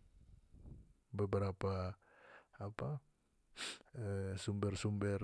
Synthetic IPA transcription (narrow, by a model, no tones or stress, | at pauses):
bəbəɾapa | apa | əsumbərsumbər